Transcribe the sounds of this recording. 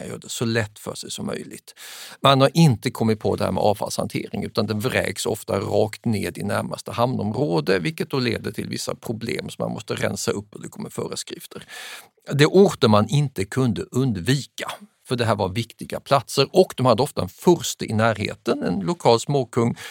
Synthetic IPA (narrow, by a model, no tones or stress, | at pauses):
jœ̰ːɖɛsɔlɛt̪ːfœ̰ʂɛjsɔmːœ̰jlɪɡt̪manhaɾʔɪnt̪əkʰɔmːɪt̪̚pʰɔd̪ɛhæ̰ːmɛ̰ʔɑːfa̰lshant̪ʰḛːɾɪŋʉ̟ːt̪and̪ɛnvɾɛ̰ːɡsɔ̰ft̪aɾɑːkt̪neːd̪ɪnæɾmast̪əhamnɔmɾoːd̪əvɪlkət̪̚d̪ɔleːd̪əʈ̪ʰɪlvɪ̰sːa̰pʰɾʊblḛːmsɔma̰nmɔst̪əɾɛ̰nsaɵp̪ːɔd̪ɛkʰɔmːəɾfœːɾəskɾɪft̪ʰəɾ | d̪ɛʔuːɾt̪əmanɪnt̪əkʰɵnd̪əʔɵnd̪viːkafœɖɛɦæːɾvaɾvɪkt̪ɪɡapʰlat̪səɾɔkd̪ɔmhad̪ːəɔft̪aɛnfœɾst̪əʔɪnæːɾɦḛːt̪ənɛnlʊkʰɑːlsmoːkʰɵŋː